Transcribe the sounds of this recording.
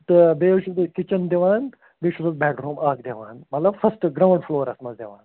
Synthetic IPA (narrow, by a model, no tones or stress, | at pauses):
t̪beʃud̪ɐkit͡ɕənd̪eʋaːn | beːʃusəzbɛkɖɾuːmaːkd̪eʋa̰ːnmɐt̪lɐbfɐsʈɡɾawɳɖfloːɾɐsmɐzd̪eʋa̰ːn